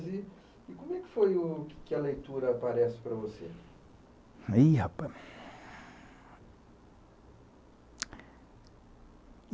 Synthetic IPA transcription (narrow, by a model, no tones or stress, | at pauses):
zɪ | ɪkõmʊɛkɪ̥fojʊkɪ̥kɪɐlejt̪uɾɐpaɾɛsɪ̥pɾɐvosḛ | iapa